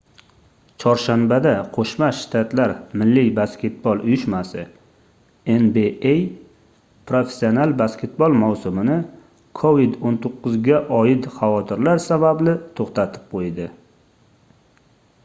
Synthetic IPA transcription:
t͡ʃʰɒɾʃanbad̪aqʰoʃmaʃt̪ʰat̪laɾmɪlːɪbaskʲe̞t̪̚bɒlˠʊjʊʃmasɪ | enbeej | pʰɾofe̥sːionalˠbaskʲʰe̞t̪̚bolˠmawsʊmɪnɪ | kʰovid̪ont̪ʰoqːʊzɡʲaʔɒjɪt̪χɑvɒt̪ʰɪɾlaɾsabablɪt̪ʰoχt̪ʰat̪ʰɪ̥p̚qʰojd̪ɪ

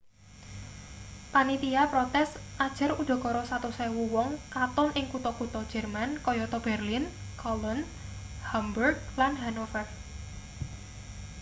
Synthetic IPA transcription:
panit̪iapɾɔt̪ɛsʔad̥ʒ̥ə̤ɾud̪̥ɔ̤kɔɾɔsat̪usɛwuwɔŋkat̪ɔnʔɪŋkut̪ɔkut̪ɔd̥ʒ̥ɛ̤rmankɔjɔt̪ɔb̥ɛrlinkʰɔlɔn | hamburɡ̚lanɦanofɛr

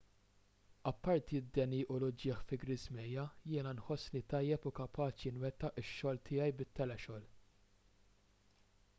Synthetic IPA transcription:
ɐpːɐɾt̪id̪ːɛniːʔʊlʊd͡ʒɪːħfɪɡɾɪzmɛjːɐjɪːnɐnħɔsːnit̪ɐjːɛpʊkɐpʰɐːt͡ʃɪnwɛt̪ːɐʔɪʃːɔːlt̪ʰɪːɐjbɪt̪ːɛlɛʃɔːl

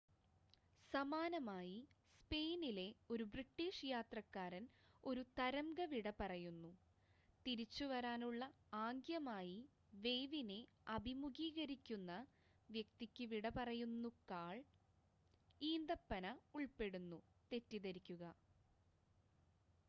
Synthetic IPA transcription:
sɐmaːnɐmaːjispe̞jnile̞o̞ɾubriʈːiːʂjaːt̪rɐkːaːɾɐno̞ɾut̪ɐɾɐmɡɐʋiɽɐpɐrɐjunːu | t̪iɾit͡ɕːuʋɐɾaːnuɭːɐ | aːŋɡjɐmaːji | ʋe̞jʋine̞ɐbʱimuɡiːɣɐɾikʲːunːɐ | ʋjek̚t̪ikʲːɨʋiɽɐpɐrɐjunːukaːɭ | iːnd̪ɐpːɐnɐuɭpe̞ɽunːut̪e̞tːiðɐɾikʲːuɣɐ

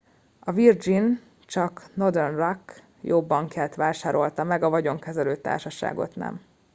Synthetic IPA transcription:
ɒvird͡ʒin | t͡ʃɒkno̞d̪ɛrnrɒk | jobːɒŋkjaːlt̪ʋaːʃaːɾo̞lt̪ɒmɛɡɒvɒɟo̞ŋkɛzɛløːt̪a̰ːrʃɒʃa̰ːɡo̞̰t̪nɛ̰m

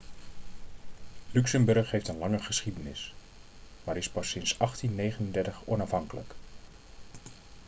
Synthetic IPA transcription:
lyksəmbɵɹχɦejftənlɑŋəχəsχidənɪs | maːɾɪspɑsɪnsɑχtinːejχənəndɛɹtəχɔnɑfɦɑŋkələ̰k

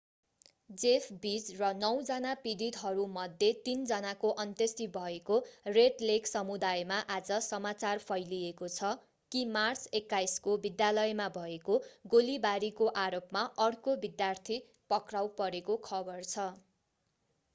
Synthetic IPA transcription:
d͡zepʰbid͡zrʌnʌwd͡zʌnapid̪it̪ɦʌɾumʌd̪ʱjet̪ind͡zʌnakoʔʌnt̪est̪ibʱʌekoreʈleksʌmud̪ajmaʔad͡zʌsʌmat͡sarpʰʌjliekot͡sʰʌ | kimart͡sekːajskobid̪jalʌjmabʱʌekoɡolibaɾikoʔaɾopmaʔʌɽkobid̪jart̪ʰi | pʌkrawpʌɾekokʰʌbʌrt͡sʰʌ

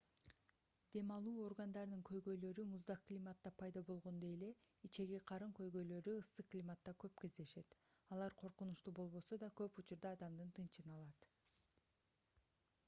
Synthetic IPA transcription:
d̪̥e̞mɑlˠuːo̞rɡand̪ɑɾnɯŋkʰø̞jɡø̞jlø̞ɾymuzd̪ɑklʲimat̪ːɑpʰɑjd̪ɑbo̞lˠʁo̞nd̪ojele̞ | it͡ʃe̞ɡeqʰɑɾɯmkø̞jɡø̞jlø̞ɾyɯsːɯklʲimat̪ːɑkøpke̞zd̪e̞ʃe̞t̪ɑlˠɑɾqʰo̞ɾqunuʃt̪ubo̞lˠβo̞so̞d̪ɑkø̞put͡ʃuɾd̪ɑːd̪ɑmd̪ɯnt̪ʰɯnt͡ʃɯnɑlˠɑt̪

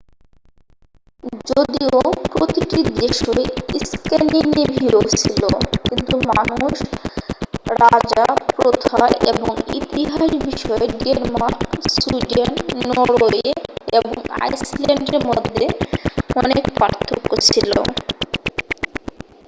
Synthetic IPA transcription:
d͡ʑod̪iopɾot̪iʈid̪eʃoeiskenɖinibʱiɾot͡ɕʰilokint̪umanuuʃ | ɾad͡ʑapɾot̪ʰaḛboŋḭt̪iɦaʃbiʃɔeɖieɾmaɾksuɖenːɔɾoeeboŋa̰jsleɳɖeɾmod̪ʱːeɔnekpɾa̰ɾt̪ʰːokːot͡ɕʰiloo̰

